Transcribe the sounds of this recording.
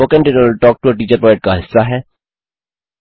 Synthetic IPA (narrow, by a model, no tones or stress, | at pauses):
oːkɛ̃ɳʈɪʈəlʈɔːk̚ʈuəʈiːt͡ʃəɾpɾɔːɛʈ̚kaɦɪsːaɦɛː